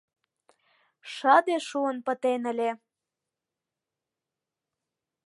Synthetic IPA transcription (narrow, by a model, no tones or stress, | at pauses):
ʃɑd̪eʃuənpə̆t̪enə̆lʲe